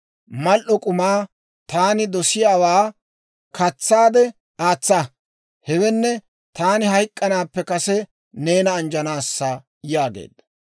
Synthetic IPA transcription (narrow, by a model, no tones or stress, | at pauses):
mɐlʔɔkʼʊmaː | t̪aːnɪd̪ɔsɪjaːwaː | kɐt͡sːaːd̪ɛ | aːt͡sːa | hɛwɛnːɛ | t̪aːnɪhɐjkʼːɐnaːpːɛkɐsɛ | ne̞ːnɐːnd͡ʒɐnaːsːɐ | jaːɡḛːd̪ɐ